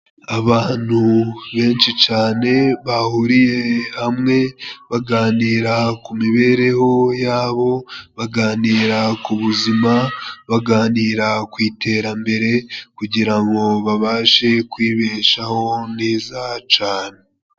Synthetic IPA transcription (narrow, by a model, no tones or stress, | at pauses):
aβaːn̥huβe̞ːnʃit͡ʃaːne̞βahuɾije̞hamŋe̞βaɡaːniːɾakumiβe̞ːɾe̞ho̞jaːβo̞βaɡaːniːɾakuβuzimaβaɡaːniːɾakwiːtʰe̞ːɾambe̞ɾe̞kuɟiɾaŋɡo̞βaβaːʃe̞kwiːβe̞ːʃaho̞neːzat͡ʃaːne